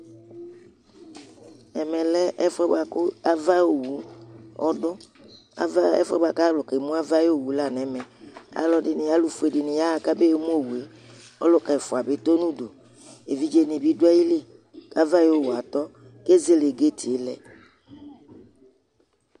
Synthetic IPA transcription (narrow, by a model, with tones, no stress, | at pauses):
ɛ˨mɛ˨lɛ˦ʔɛ˦fɛ˦ba˨kʊ˦a˦va˦o˨wu˨˦ɔ˦dʊ˦ | a̰˦ɛ̰˦fɛ̰˦ba˨ka˦lʊ˨ke˨mũ˦a˦va˦jo˦˨wu˨˦la˦˨nɛ˨mɛ˨a̰˨lɔ˨dɪ˨nɪ˨ja˦lʊ˦fu˨˦e˨dɪ˨nɪ˨ja˦a˨ka˦be˦˨˦mu˦o˦˨wu˨e˨ | ɔ˦lʊ˦ka˨fʊ˨a˨bɪ˦t̪o˦nũ˦do˨ | e˨vi˨˦d͡ʒe˨nɪ˨bi˦dʊ˦a˦ji˦le˦˨ | ka˦va˦jo˦˨wu˨a˨t̪ɔ˦ | ke˦ze˦le˨ɡe˦tʰɪ˨e˦lɛ̰˨